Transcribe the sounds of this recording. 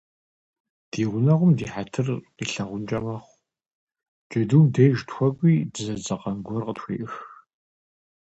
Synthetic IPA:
d̥iːʁʷʊnɐʁʷʊmdiːħatʰɨrqiːɬɐʁʷʊnt͡ʃʼɐmɐχʷ | t͡ʃʼɐduːmdejʒtxʷɔkʷʼiːdɨzɐd͡zʼɐqɐnɡʷɔrqətxʷḭːʔɨx

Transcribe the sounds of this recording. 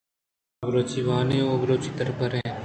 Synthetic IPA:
bɾoːt͡ʃiːʋaːneːoɡɾoːt͡ʃit̪əɾpəɾẽː

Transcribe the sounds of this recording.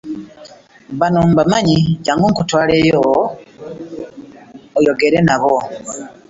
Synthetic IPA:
βanombamaɲiɟaːŋɡoŋkutwaːleːjo | ojo̞ɡe̞ɾenaβo

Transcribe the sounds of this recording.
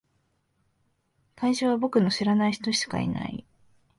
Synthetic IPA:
kaiɕoːβabo̞kɯ̟no̞ɕiɾanaiçi̥t̪o̞ɕi̥ka̰ḭna̰ḭ

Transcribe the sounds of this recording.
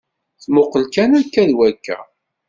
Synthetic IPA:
θmʊqːəlkænækːæðwækːæ̰

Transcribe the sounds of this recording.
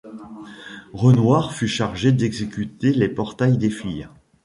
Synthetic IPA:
ʁənwaʁfyʃaʁʒed̪ɛɡzekʲyt̪elepɔʁt̪ajd̪efij

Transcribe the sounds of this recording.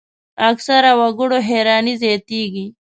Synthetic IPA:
ɐksɐɾawɐɡuɽoɦeːɾɑːnizeːt̪iːɡi

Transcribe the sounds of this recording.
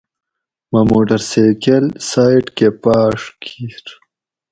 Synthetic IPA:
mamoːʈɐɾsekelsaːiʈkepaːʂkʰiɾ

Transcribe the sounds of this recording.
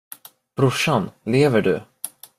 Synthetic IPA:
b̥ɾʊʂanleːvəɖɵ̰

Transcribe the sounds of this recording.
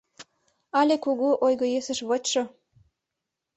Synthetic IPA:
ɑlʲekuɣuʔojɣɤ̆jesə̆ʃβɤt͡ɕʃo

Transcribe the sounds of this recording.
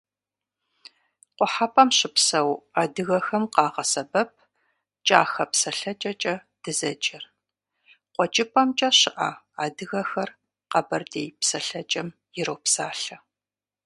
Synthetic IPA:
qʷɔħapʰʼɐmɕɪpsɐwaːdɨɣɐxɐmqɑːʁɐsɐbɐp̚ʰ | t͡ʃʼaːxɐpsɐɬɐt͡ʃʼɐt͡ʃʼɐ | d̥ɨzɐt͡ʃʼɪr | qʷɔt͡ʃʼɪpʰʼɐmt͡ʃʼɐɕɪʔɐ̰ | aːdɨɣɐxɐr | qɐbɐrdeːjpsɐɬɐt͡ʃʼɐm | jɪɾɐwpsaːɬɐ

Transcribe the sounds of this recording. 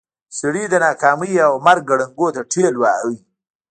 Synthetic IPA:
sɪɽid̪ənɑkɑːmijawmaɾɡ̚ɡaɽəŋɡot̪aʈʰelwawi

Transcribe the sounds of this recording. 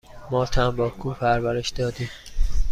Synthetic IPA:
mɒːt̪ʰæmbɒːkʰuːpʰæɾvæɾeʃd̪ɒːd̪iːm

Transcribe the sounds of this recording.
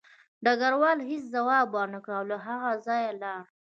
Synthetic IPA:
ɖaɡaɾwɑlɦis̬zawɑbɑnəkɽaawlaɦaɣazɑjalɑɾ

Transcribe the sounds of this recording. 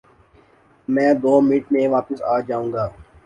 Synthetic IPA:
mɛ̃ːd̪oːmiːʈmẽːʋaːpəsaːd͡ʒaːũːŋɡaː

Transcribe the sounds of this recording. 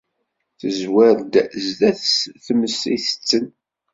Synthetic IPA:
θəzwæɾd̪zdæθsθəmːəsiθə̥t͡sːən

